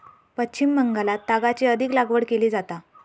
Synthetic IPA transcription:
pətːt͡ɕimːəŋɡalat̪ːaɡat͡ɕiəd̪ʱiːklaɡʋəɽkeliːd͡zat̪a

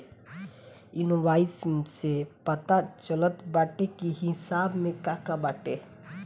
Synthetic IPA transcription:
inoʋaːismsepət̪at͡ʃələt̪baːʈekiɦisaːbmẽkakabaːʈe

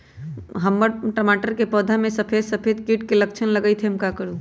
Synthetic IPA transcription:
ɦəmːəɾʈəmaʈəɾkepɔd̪ʱamẽsəpʰed̪səpʰed̪̚kiʈkelək̚t͡ʃʰənləɡəjt̪ʰemkakəɾu

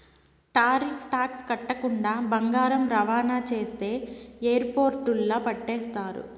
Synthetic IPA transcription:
ʈaːɾipʰʈaːkskɐʈːɐkuɳɖaːbɐŋɡaːɾɐmɾɐʋaːnaːt͡ʃe̞ːst̪e̞ːejɐɾpoːɾʈulːɐpɐʈːɛːst̪aːɾṵ

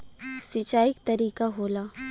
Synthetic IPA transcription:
sɪt͡ʃaːɪk̚t̪ɐɾiːkaɦoːlaː

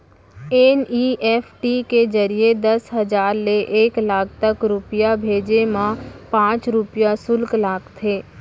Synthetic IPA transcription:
eːniːʔɛːpʰʈiked͡ʒəɾijed̪ɐsɦɐd͡ʒaːɾleʔeːklaːk̚ʰt̪əkɾʊpjabʱeːd͡ʒemãpãːt͡ʃɾʊpɪjasʊlklaːkt̪ʰeː

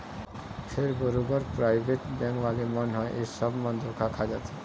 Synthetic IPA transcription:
feɾboɾubɔɾpɾajbʱeʈbɛŋwalemɔnɦɔeʔeɾʃɔbmɔnd̪ɾokʰakʰad͡ʑat̪ʰe

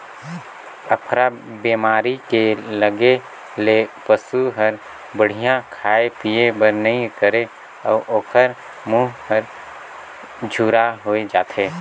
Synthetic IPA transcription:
əpʰɾabeːmaːɾikeləɡe | lepəsuɦəɾ | bəɽ̤ijãkʰaːepiebəɾnəĩkəɾe | ɔːʔoːkʰəɾ | muːɦɦəɾ | d͡ʒʱuːɾaɦoːed͡ʒaːt̪ʰeː

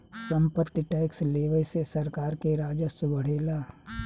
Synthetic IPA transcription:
sə̃mpət̪ːiʈaːɪksleːʋəjsesɐɾkaːɾkeɾaːd͡ʒəsbəɽ̤eːlaː

